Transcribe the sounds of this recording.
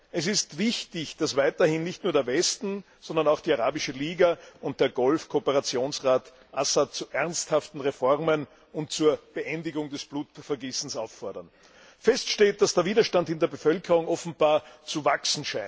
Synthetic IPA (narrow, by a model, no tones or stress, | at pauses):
ʔɛs̬ɪstvɪçtɪçd̥asvaɪtɐhɪnːɪçtnuːɐɾeːɐvɛstn̩ | z̥ɔndɐnaʊxd̥iːaʁaːbɪʃəliːɡaʊnt̚d̥eːɐɡɔlfkʰoːpəʁat͡sjoːnsʁaːt | ʔasat̚t͡suʔɛʁnsthaftn̩ʁefɔʁmən | ʊntt͡suːɐb̥ɛʔɛndɪɡʊŋdɛsb̥luːtfɛɐɡiːsn̩saʊfːɔɐdɐn | fɛstʃteːt̚d̥asd̥eːɐviːdɐʃtandɪndeːɐbəfœlkʰəʁʊŋɔfn̩b̥aːɐt͡suvaksn̩ʃaɪn